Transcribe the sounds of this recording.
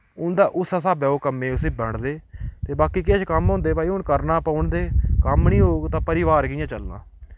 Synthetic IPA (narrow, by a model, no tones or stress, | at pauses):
ʊnd̪aːʔʊsaːsaːbɛːoːkəmːẽːʊsẽːbəɳɽd̪eːt̪eːbaːkiːk̬eʃkəmɦõːnd̪eːpaːiːɦʊɳkəɾnaːpaːʊɳd̪eːkəmnĩːɦoːɡt̪ãːpəɾɪːʋaːɾɡɪjãːt͡ʃəlnã̰ː